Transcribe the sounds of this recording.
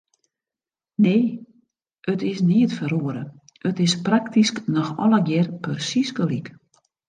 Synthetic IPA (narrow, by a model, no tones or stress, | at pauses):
neː | ətɪsniətfəroəɾə̰ | ətɪspraktisknɔxɔ̰ləɡjɛrpərsiskəlik